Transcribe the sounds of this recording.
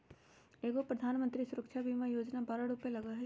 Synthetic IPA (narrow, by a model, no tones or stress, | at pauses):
eːɡopɾɐd̪ʱaːnmə̃nt̪ɾisʊɾəkʃʰabʱimajoːd͡ʒnabaːɾaɽʊpelɐɡaɦɛ